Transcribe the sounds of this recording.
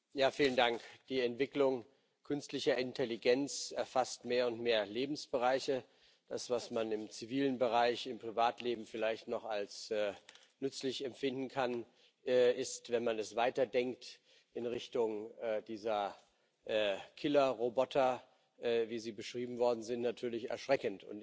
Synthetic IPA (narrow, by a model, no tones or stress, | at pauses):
jaːfiːləndaŋkd̥iːɛntv̥ɪklʊŋ | kʰʏnstlɪçɐɪntʰɛliɡɛnt͡sɛɐfastmeːɐʊntmeːɐleːbm̩sb̥əʁaɪçə | d̥asv̥asmanɪmt͡siviːlənbəʁaɪçɪmpʁ̥ivaːtleːbm̩fɪlaɪçtnɔχalsɛː | nʏt͡slɪçɛmfɪndn̩kʰanː | ɪstvɛnmanɛsv̥aɪtɐdɛŋk̚t | ʔɪnʁɪçtʊŋɛːdiːzɐ | ʔːkʰɪlɐʁobɔtʰɐ | ʔviːziːbəʃʁ̥iːbm̩vɔɐdn̩zɪntnatʰyːɐlɪçɛ̰ɐʃʁ̥ɛkən̩tʊ̰n